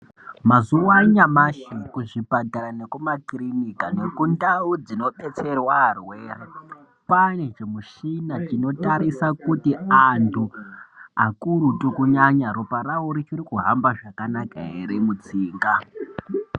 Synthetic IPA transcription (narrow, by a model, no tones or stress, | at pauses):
mazuwaɲamaʃikuʐibʱadʱaɾane̞kumakirinikane̞kundaud͡zino̞ɓe̞t͡se̞rwaːrweːra | panet͡ʃemuʃinat͡ʃino̞taɾisakutiantʰu | akuɾutukuɲaɲaɾopaɾauɾit͡ʃiɾikuɦambaʐakanaka̰ɦḛɾemut͡siːŋɡa